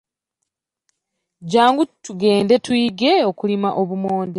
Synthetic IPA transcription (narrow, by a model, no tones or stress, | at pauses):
ɟaːŋɡutuɡe̞ːndetwiːɡe̞o̞kulimaʔo̞βumo̞ːnde